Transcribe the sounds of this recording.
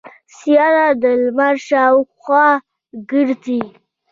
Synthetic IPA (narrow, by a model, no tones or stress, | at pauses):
sjɑnad̪əlmaɾʃɑwxwɑ | ɡəɾd̪i